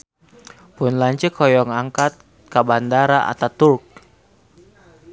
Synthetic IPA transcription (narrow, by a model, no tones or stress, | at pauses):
pʊnlaɲt͡ʃɛkʰɔjɔŋaŋkat̪̚ | kabandaɾaʔa̰t̪at̪urk̚